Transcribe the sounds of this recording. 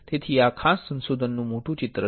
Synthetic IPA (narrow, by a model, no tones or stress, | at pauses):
t̪et̪ʰiːjakʰasːə̃nsod̪ʱənːuːmoʈʰũt͡ɕit̪ɾə